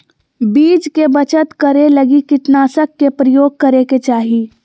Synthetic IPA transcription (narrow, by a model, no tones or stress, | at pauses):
biːd͡ʒkebət͡ʃət̪kɐɾeləɡikɪʈnaːsəkːepɾəjoːɡ̚kɐɾeket͡ʃaːɦiː